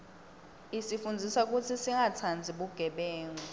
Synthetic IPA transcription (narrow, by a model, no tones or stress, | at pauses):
isifund͡zʱisak̬ʼut͡sʰisiŋʱat͡sʰand͡zʱiɓuɡ̥ʱɛɓɛːŋɔ